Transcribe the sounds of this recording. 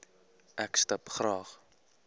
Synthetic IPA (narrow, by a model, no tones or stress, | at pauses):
ʔækstɐpχrɑːχ